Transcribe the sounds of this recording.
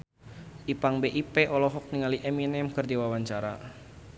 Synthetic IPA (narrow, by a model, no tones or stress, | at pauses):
ʔipaŋbeʔipeʔɔlɔɦɔk̚niŋaliʔɛminɛmkərdiwawaɲt͡ʃaɾa